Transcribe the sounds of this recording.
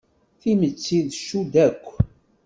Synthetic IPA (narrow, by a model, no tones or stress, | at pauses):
θimət͡sːiðʃud̪ækʷː